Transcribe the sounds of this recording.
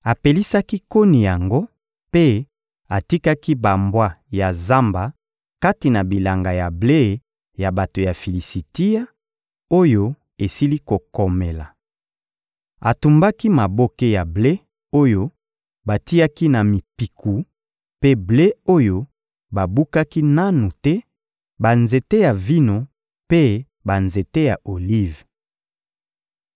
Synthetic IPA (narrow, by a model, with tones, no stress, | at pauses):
a˨pe˨li˦sa˦ki˦ko˦ni˨ja˨ŋɡo˦ | pe˦ | a˨ti˦ka˦ki˦ba˨mbwa˦ja˨za˦mba˨ | ka˦ti˨na˨bi˨la˨ŋɡa˨ja˨ble˦˨ | ja˨ba˨to˨ja˨fi˨li˨si˨ti˦a˦ | o˦jo˦ | e˨si˦li˦ko˨kɔ˨me˨la˨ | a̰˨tu˨mba˦ki˦ma˨bo˦ke˦ja˨ble˦ | o˦jo˦ | ba˨ti˦ja˦ki˦na˨mi˨pi˨ku˨ | pe˦ble˦o˦jo˦ | ba˨bu˦ka˦ki˦na˦nu˨tɛ˦ | ba˨nze˨te˦ja˨vi˦no˨ | pe˦ | ba˨nze˨te˦ja˨ʔo˨li˦v